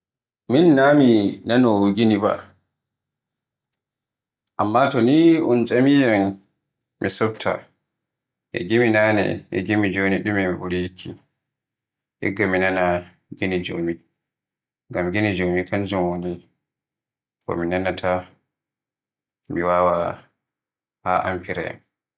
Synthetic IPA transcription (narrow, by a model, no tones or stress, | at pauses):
minːaminanɔɡiniba̰ | ʔamːatɔniʔunt͡ʃʼamijan | mʔisɔf̚tʰa̰ | ʔɛ̰ɡiminanɛ̰ʔɛ̰ɡimid͡ʒoniɗumɛmiɓuɾiikʰːi | ʔɛ̰ɡaminana | ɡenid͡ʒomi | ŋɡamɡinid͡ʒomikʰand͡ʒumwoni | kɔ̰minanatʰa | miwawa | haʔa̰mpiɾɛ̰